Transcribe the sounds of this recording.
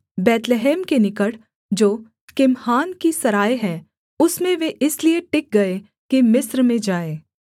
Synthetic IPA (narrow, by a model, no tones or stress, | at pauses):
bɛːt̪leɦɛːmkenɪkəʈ | d͡ʒoː | kɪmhaːnkisɐɾaːeɦɛː | ʊsmẽʋeʔɪslieʈɪk̚ɡɐe | kimɪsɾmẽd͡ʒaːeː